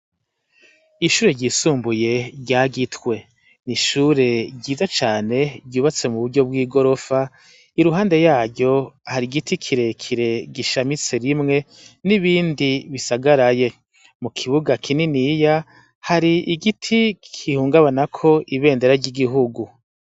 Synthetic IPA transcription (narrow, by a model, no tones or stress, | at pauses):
iʃuːɾe̞ɾɟisuːmbuje̞ɟaːɡitwe̞ | niʃuɾe̞ɟiːzat͡ʃaːne̞ɟuːβat͡se̞muβuɾɟo̞b̚ɡiːɡo̞ɾo̞fa | iɾuɦaːnde̞jaːɾɟo̞haɾiɡitʰikʰiɾe̞kʰiɾe̞ɡiʃamit͡se̞ɾimŋe̞ | niβiːndiβisaɡaɾaje̞ | mukʰiβuɡakʰininija | haɾiʔiɡitʰikʰihuːŋɡaβanakʰo̞iβe̞ːnde̞ɾaɾɟiɡiɦuɡu